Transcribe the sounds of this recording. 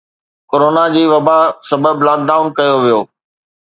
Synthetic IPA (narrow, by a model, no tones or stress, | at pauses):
koːɾoːnad͡ʑiːʋɐbasɐbəblaːk̚ɖaːʊnkɐjoʋijoː